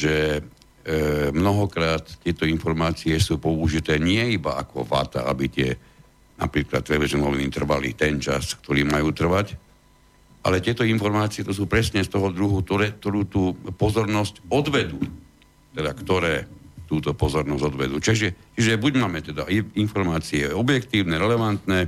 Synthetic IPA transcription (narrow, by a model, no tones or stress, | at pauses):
ʒɛ | mnɔɦɔkɾaːt̪t̪ɪɛt̪ɔinfɔɾmaːt͡siɛsuːpɔuʒit̪ɛːɲɪɛibaakɔ̰ʋa̰t̪a̰a̰bit̪ɪɛ̰ | na̰pɾiːkla̰t̪ːɾɛlɛʒɛmɔʋinit̪r̩ʋalḭt̪ɛnt͡ʃaskt̪ɔɾiːmajuːt̪r̩ʋac | ʔa̰lɛt̪ɪɛt̪ɔinfɔɾmaːt͡siɛt̪ɔs̬uːpɾɛsɲɛst̪ɔɦɔd̪ɾuɦukt̪ɔɾɛːk̚t̪ɔɾuːt̪uːpɔzɔɾnɔscɔd̪ʋɛd̪uː | t̪ɛd̪akt̪ɔɾɛːt̪uːt̪ɔpɔzɔɾnɔzɟɔd̪ʋɛd̪uːt͡ʃiʒɛt͡ʃiʒɛbuɟmaːmɛt̪ɛd̪aiinfɔɾmaːt͡siɛɔbjɛkt̪iːʊnɛɾɛlɛʋant̪nɛː